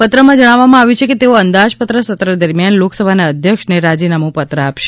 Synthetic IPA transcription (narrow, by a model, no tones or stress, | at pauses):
pət̪ɾəmãd͡ʒəɽ̃aʋːamãaʋjũt͡ʃʰeket̪eoənd̪aʃpət̪ɾəsət̪ɾəd̪əɾmjanloksəbʱanaəd̪ʱjəkʃneɾad͡ʒinamũpət̪ɾəapʃe̥